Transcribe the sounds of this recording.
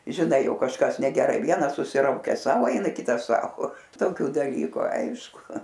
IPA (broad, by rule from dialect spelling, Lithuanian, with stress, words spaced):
ʒʲɪˈnɐɪ ˈjɛʊ kɐʃˈkɐs nʲɛɡʲɛˈrɐɪ ˈʋʲiɛnɐs sʊsʲɪˈrɐʊkʲɛs ˈsɐʊ ˈɛɪnɐ ˈkʲɪtɐs ˈsɐʊ toːˈkʲʊ dɐˈlʲiːkʊ ˈɐɪʃkʊ